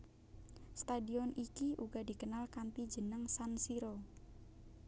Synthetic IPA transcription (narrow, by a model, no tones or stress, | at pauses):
st̪adiɔnikiʔuɡadi̤kənalkanp̪id͡ʒənəŋsansiɾo